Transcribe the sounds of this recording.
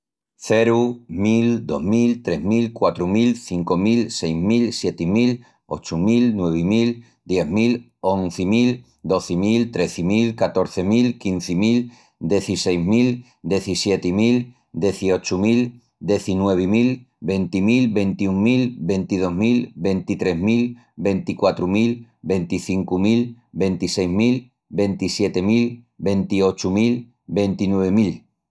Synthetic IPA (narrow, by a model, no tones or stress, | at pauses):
θeɾumild̪o̞̰ɦmilt̪ɾe̞ɦmilkwat̪ɾumilθiŋko̞milsejzmilsje̞t̪imil | o̞̰t͡ʃumilnwe̞β̞imil | d̪̥je̞ɦmil | onθimil | d̪o̞θimilt̪ɾe̞θimilkat̪o̞ɾθemilkin̟θimil | d̪je̞θise̞jzmil | d̪je̞θisje̞t̪imil | d̪eθiot͡ʃumil | d̪e̞θinwe̞β̞imil | be̞nt̪imilbe̞nt̪iuŋmːilbe̞nt̪ið̞o̞ɦmilbe̞nt̪it̪ɾe̞ɦmil | be̞nt̪ikwat̪ɾumilbe̞nt̪iθiŋkumil | be̞nt̪isejzmil | be̞nt̪isje̞t̪emil | be̞nt̪io̞t͡ʃumil | be̞nt̪inwe̞βemil